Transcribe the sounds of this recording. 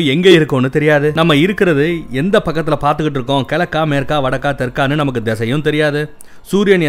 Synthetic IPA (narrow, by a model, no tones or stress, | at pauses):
ɛŋɡeɪɾɯkːõːnːɯt̪ɛɾɪjaːðɯnɐmːɐɪɾɯkːɪɾɐðɯɛnd̪ɐpɐkːɐt̪ːɪlɐpaːɾt̪ɯkːɪʈ̬ːɪɾɯk̬ːõkɛɭɐkːaːmeːɾkːaːʋɐɽɐkːaːt̪ɛɾkaːnːɯnɐmɐk̬ːɯd̪ɛsɐjʊ̃t̪ɛɾɪjaːðɯ | suːɾɪjɐnjɐ